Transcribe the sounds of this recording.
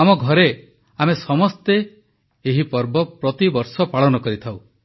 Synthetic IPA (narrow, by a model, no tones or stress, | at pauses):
amɔɡʱɔɾe | amesɔmɔst̪e | eɦipɔɾbɔpɾɔt̪ibɔɾsɔpaɭɔnɔkɔɾit̪ʰaw